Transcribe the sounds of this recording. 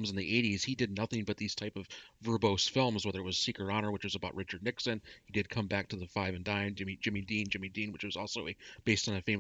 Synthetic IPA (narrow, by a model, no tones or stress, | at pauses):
mzn̩ðiʔeɪɾiz̥hidɨdⁿnʌθɪ̃ŋbʌt̪̚ðiz̥tʰaɪpʌvvə˞boʊsfɪlˠmzwɛðə˞ɨt̚wʌz̥sikə˞ɑnə˞wɨt͡ʃwʌzɨbaʊʔ̚ɹɪt͡ʃə˞dⁿnɪksɨ̃nhidɨd̚kʰʌ̃mbæk̚tʰɨðɨfaɪvɨ̃ndãɪɨ̃nd͡ʒɪ̃mid͡ʒɪ̃midĩnd͡ʒɪ̃midĩnwɨt͡ʃwʌzɔlˠsoʊɨb̥eɪstn̩ɨfeɪ̃m